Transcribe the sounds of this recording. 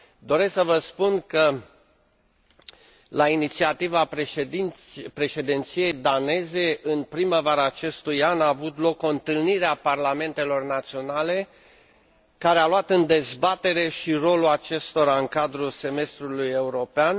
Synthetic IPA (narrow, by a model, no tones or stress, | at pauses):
d̪o̞ɾe̞sksəvəspunkə | lainit̪siat̪ivaed̪inpɾe̞ʃe̞d̪int̪sije̞jd̪ane̞ze̞ʔɨnpɾiməvaɾaːt͡ʃe̞st̪ujanaːvut̪lo̞koɨnt̪ɨlniɾeaparlame̞nt̪e̞lo̞rnat̪sio̞nale̞ | kaɾealuwat̪ɨnd̪e̞zbat̪e̞ɾe̞ʃiro̞lulat͡ʃe̞st̪o̞ɾaɨŋkad̪ɾulse̞me̞st̪ɾuluje̞uɾo̞pean